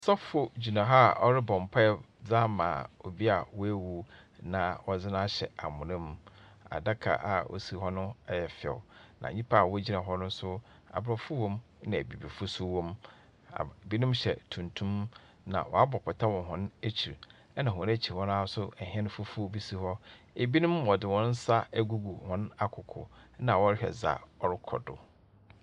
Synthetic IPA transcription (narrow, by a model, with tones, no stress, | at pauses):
sɔ˦fʊ˦d͡ʑi˨nã˨ɦa˦ɔ˦ɾɪ˦bɔ̃˨m˨pʰa˦ɛ˨ | d͡za˦mã̰ː˨o˨bi˦a˨wɔ˦æ˦wu˨nã˨wɔ˦d͡zɪ˦nã˦ɕɛ˨a˨mʊ̃˨nɪ̃˦m | a̰˨da˦kʰa̰˨ʔa˨ʔo̰˨si˨hɔ˦nʊ̃˦ɛ˦jɛ˨fɪ˨ɛ̰˨nã̰˨ɲĩ˦pʰa˦˨wɔ˦d͡ʑi˦nã˨ɦɔ˦nʊ̃˦sʊ˦ | a̰˨bɾɔ˨fʊ˦wɔ̃˦m | nɪ̃˨æ̰˨bi˨bi˨fʊ˦sʊ˦wɔ̃˦m | a̰˨bi˦nũ˦mɕɛ̰˨tʰũ˨ntʰũ˦m | nã̰˨wɔ̰˨a˦bɔ˨pʰɔ˨tʰa˦wɔ̃˨ɦɔ̃˨næ˦t͡ɕʰi˨ɾ | ɛ˦nã˨ɦɔ̃˨n˦æ˦t͡ɕʰi˨ɾwɔ˦ñ˦a˦sʊ˦ɛ˨hɛ̃˦nʊ̃˦fʊ˦fʊ˦o˦bi˦si˦˨hɔ˦ | e˨bi˦nũ˦mwɔ˨dɪ˨wɔ̃˦n˦sa˦æ˦ɡu˦ɡu˨hɔ̃˦na˦kʰʊ˨kʰʊ̰˨˦nã˨wɔ˦ɾhᶣɛ̰˨za̰˨ɔ˦ɾɪ˦kʰɔ̰˨dʊ̰˨